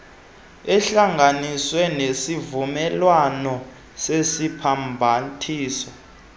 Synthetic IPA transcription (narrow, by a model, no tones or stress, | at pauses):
ɛɬaŋaniswɛnesivumɛlwanɔ | sesipʰambʱatʰiːsɔ